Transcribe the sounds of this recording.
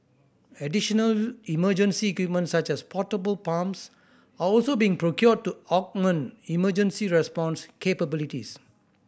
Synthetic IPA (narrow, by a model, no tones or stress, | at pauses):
ɛdiʃɔnəliməd͡ʒə̃nsiɛkwip̚mə̃ntsat͡ʃɛspʰɔtəbəlpãms | aɔlsobiĩŋpɹokjɔd̚tuɔk̚mə̃niməd͡ʒə̃nsiɹɛspɔ̃nskʰepəbilitḭs